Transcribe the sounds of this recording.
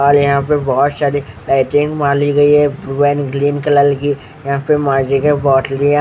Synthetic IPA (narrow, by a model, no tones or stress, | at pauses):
aːljɐɦãpebɔːɔt̪saːɾilaːɪʈɪ̃ŋɡmãːliɡɐiɦɛbɾuɛːnɡliːnkɐləlki | jɐɦãpemãːd͡ʒikebɔːʈlijã